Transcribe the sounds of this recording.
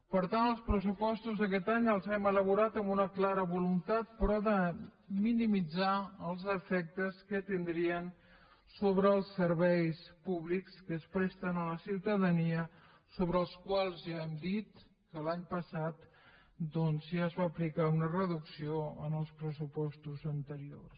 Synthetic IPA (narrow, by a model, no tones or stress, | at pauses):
pəɾt̪anəlˠspɾəsupɔst̪uzðəkɛt̪aɲəlˠzɛmələβuɾat̪əmbunəklaɾəβulunt̪at̪̚pɾɔðəminimid͡zaəlˠzəfɛk̚t̪əskət̪ind̪ɾiən | soβɾəːlˠsəɾβɛjspuβlikskəːspɾɛst̪ənələsiwt̪əðəniə | soβɾəːlˠskwalˠzʒaɛmd̪it̪ | kəlaɲpəsat̪ | d̪ɔnzʒaəzβaːplikaunərəðuksioə̰nəlˠspɾəsupɔst̪uzənt̪əɾio̰rs